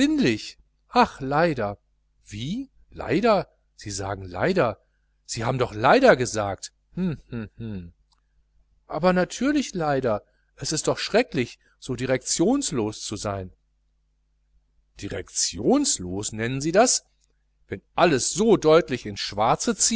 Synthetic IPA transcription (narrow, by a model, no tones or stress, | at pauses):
ɪnlɪç | ʔaχlaɪdɐ | v̥iː | la̰ɪdɐ | z̥iːza̰ːɡŋ̩la̰ɪdɐ | z̥iːhaːbm̩dɔχlaɪdɐɡəzaːk̚t | hm̩h̩ | ʔaːbɐnatʰyːɐlɪçlaɪdɐ | ʔɛsɪst̚d̥ɔχʃʁ̥ɛklɪç | z̥oːdiʁɛk̚t͡sjoːnsloːst͡suzaɪn | d̥iʁɛ̰kt͡sjoːnsloːsnɛnənziːdas | vɛnʔaləsz̥oːdɔʏtlɪçɪnsʃv̥aɐt͡sət͡siː